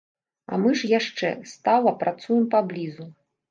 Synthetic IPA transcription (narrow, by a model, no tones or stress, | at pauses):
ɐ̰mɨʐjaʂt͡ʂɛ̰st̪alˠɐpɾat̪sujɛmpablʲizu